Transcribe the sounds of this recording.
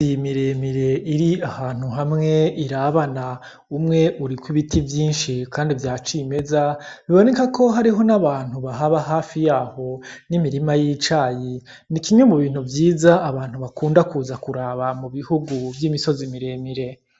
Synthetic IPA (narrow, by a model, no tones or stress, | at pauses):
imiɾe̞miɾe̞iɾiahaːn̥huɦamŋe̞iɾaβana | umŋe̞ʔuɾikwiβitivjiːnʃikaːndivjaːt͡ʃime̞zaβiβo̞nekako̞ɦaɾiɦo̞naβaːn̥huβaɦaβaɦaːfijaːho̞nimiɾimajit͡ʃaːji | nikiɲo̞muβiːn̥uvjiːzaːβaːn̥huβakuːndakuːzakuɾaːβamuβihuɡuvjiːmiso̞zimiɾe̞ːmiɾe̞